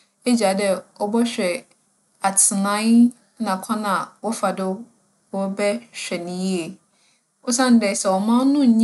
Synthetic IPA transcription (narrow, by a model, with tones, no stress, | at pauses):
e˦d͡ʑa˨dɛ˦ɔ˦bɔ˦ɕᶣɛ˨ | a˨tʰɪ˨nã˦n˦ | nã˨kʷʰã˦nã˨wɔ˦fa˨dɪ˦ | wɔ˦bɛ˦ɕᶣɛ˨nɪ̃˦ji˦e˨ | ɔ˦sã˦n̩˨dɛ˨sɛ˨wɔ˨mã˦n˦nʊ̃˦˨ɲ˦